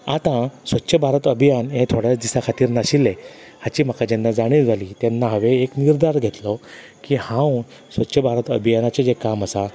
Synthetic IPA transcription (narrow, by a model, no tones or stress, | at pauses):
at̪ãsʋətːɕʰəbʱaɾət̪əbʱijanɦẽt̪ʰoɽjat͡sd̪isakʰat̪iːɾnaɕilːe | hat͡ɕiːm̤akad͡ʑenːad͡zaɽ̃iːd͡zʱaliːt̪janːaɦəʋeːkniɾd̪aɾɡʱet̪lɔ | kiːhãw | sʋətːɕʰəbʱaɾət̪əbʱijanat͡sed͡zekaməsa